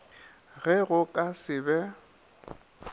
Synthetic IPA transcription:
ɣɛɣʊkʼasɪbɛ

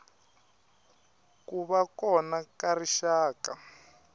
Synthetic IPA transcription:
kuβakɔnakariʃaːka

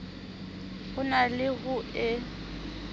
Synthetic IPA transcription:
ɣʊnalɪɣʊʔɪ

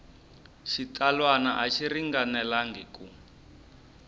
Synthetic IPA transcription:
ʃitʰalwanaʔaʃiriŋɡanɛlaŋɡeku

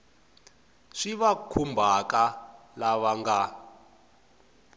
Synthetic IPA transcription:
ʂiβakʰumbʱaka | laβaŋɡa

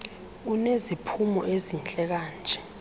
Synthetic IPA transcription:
unezipʰumɔʔezint͡ɬʼɛk̬aːnd͡ʒʱɛ

